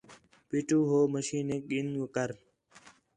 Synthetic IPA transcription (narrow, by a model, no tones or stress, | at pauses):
piʈuːɦoːməʃiːneɠinɡokəɾ